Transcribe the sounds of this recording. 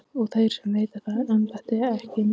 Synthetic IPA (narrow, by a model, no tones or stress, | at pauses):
ɔɣθajɾ̥sɛmveːjt̪aθaðanp̪aht̪ɪaɛhcɪn